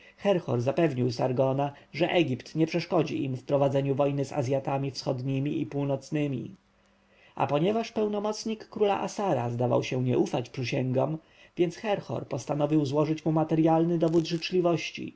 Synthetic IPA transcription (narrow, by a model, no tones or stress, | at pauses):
xɛɾxɔ̰ɾzapɛvɲiwsaɾɡɔna | ʐɛʔɛɡʲipt̪ɲɛpʂɛʂkɔd͡ʑḭʔimfpɾɔvad̪zɛɲuvɔjnɘza̰zʲjat̪amʲifsxɔd̪ɲimʲiipuwnɔt̪snɘmʲḭ | ʔa̰pɔɲɛvaʂpɛwnɔmɔt̪sɲikːɾula̰ʔasaɾazd̪ava̰wɕɛɲɛʔufat͡ɕpʂɘɕɛŋɡɔm | vʲjɛnt̪sxɛɾxɔ̰ɾpɔst̪anɔvʲiwzwɔʐɘt͡ɕmumat̪ɛɾjalnɘd̪ɔvud̪ʐɘt͡ʂlʲivɔɕt͡ɕḭ